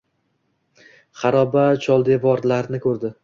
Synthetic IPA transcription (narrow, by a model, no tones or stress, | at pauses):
χɑɾɒbat͡ʃʰɒlˠd̪evɒɾlaɾnɪkʰɵɾd̪ɪ